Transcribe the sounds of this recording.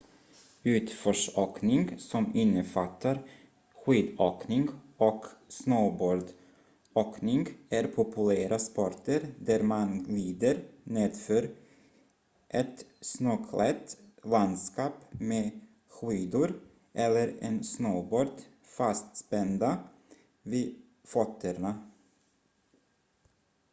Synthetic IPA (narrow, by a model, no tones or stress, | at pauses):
ʉ̟ːt̪fɔʂoːknɪŋsɔmɪnːəfat̪ʰːaɾ | ɧiːd̪oːknɪŋɡɔksnoːboːɾd̪ | oːknɪŋɡæɾpʰʊpʰɵlæːɾʔaspɔɾʈ̪əɾd̪æɾmanliːd̪əɾneːd̪føːɾ | ʔɛt̪snoːkʰlɛt̪land̪skɑːpmeː | ɧyːd̪ʊɾ | ʔɛlːəɾɛ̰nsnoːboːɾd̪ | fast̪spɛnd̪a | viː | fɔt̪ʰːəɾɳa